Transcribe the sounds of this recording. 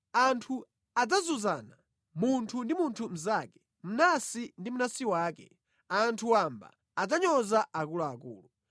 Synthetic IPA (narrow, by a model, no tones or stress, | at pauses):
antʰu | ad͡zazuzaːna | muntʰundimuntʰum̩zakɛ | m̩nasindim̩unasiwaːkɛ̰ | antʰuwamba̰ | ad͡zaɲɔzaakulaːkṵːlu